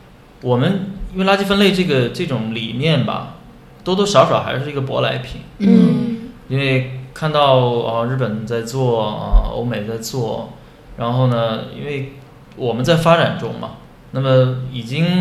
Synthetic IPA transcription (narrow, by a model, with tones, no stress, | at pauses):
wɔ˨˩mə˦ni˥nwɪla˥t͡ɕi˥˧fə˥nle˥˧ɪʈ͡ʂɤ˥˩ɡə˩ʈ͡ʂɤ˥˩ʈ͡ʂʊ˧˥˦ŋli˨˩mjɛ˥˩nbɐ̰˩ | t̪o˥ʊt̪o˥ʊʂjɑ˧˥ʊʂɑ˨˩ʊxa˧˥ɪʂɻ̩˥˩i˧˥ɡə˧p̬wɔ̰˧˥la˧˥ɪpʰḭ˨˩˦n̩˥i˥nwe˥˧ɪkʰa˥˧nt̪ɑ˥˧ʊə˧ɻɻ̩˥˩pə˨˩nt͡sa˥˧ɪt͡swɔ˥˩ə̰˧˩o̰˥ʊme˨˩ɪt͡sa˥˧ɪt͡swɔ˥˩ | ɻa˧˥nxo˥˩ʊnə˩ḭ˥nwe˥˩ɪ | wɔ˨˩mə˦nt͡sa˥˩ɪfa˥ʈ͡ʂa˨˩nʈ͡ʂʊ̰˥ŋmɐ̰˨˩ | na˥˩mə˩i˨˩t͡ɕi˥ŋ